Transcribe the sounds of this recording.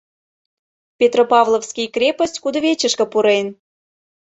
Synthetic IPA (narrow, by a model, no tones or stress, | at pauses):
pʲet̪ropɑvlˠofskʲijkrʲepəsʲtʲkud̪əβʲet͡ɕəʃkə̆puɾen